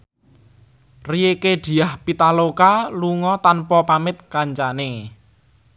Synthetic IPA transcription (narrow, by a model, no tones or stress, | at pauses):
rijeked̪̥i̤ahpit̪alokaluŋɔt̪anpɔpamɪt̪̚kaɲt͡ʃane